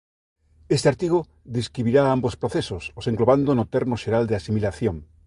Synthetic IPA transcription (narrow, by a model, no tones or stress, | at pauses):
est̪eaɾt̪iɣ̞o | ðeskɾiβiɾaambospɾoθesososeŋɡloβand̪onot̪eɾmoʃeɾald̪easimilaθjoŋ